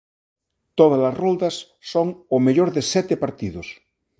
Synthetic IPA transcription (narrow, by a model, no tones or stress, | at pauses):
t̪oð̞ɐzlɐsrold̪ɐsː | oŋʊmeʎoɾðesɛt̪epaɾt̪iðʊs